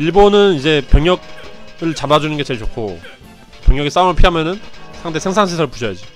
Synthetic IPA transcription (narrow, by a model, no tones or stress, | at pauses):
iɭbonɯnid͡ʑe̞pjʌŋjʌɡ̚ɯɭt͡ɕamad͡ʑunɯnɡe̞t͡ɕe̞ɭt͡ɕokʰo̰ | pjʌŋjʌɡis͈aumɯɭpʰiɦamjʌnɯnsʰaŋde̞sʰe̞ŋsʰaŋɕʰesʰʌɾɯɭpuɕʰʌjad͡ʑi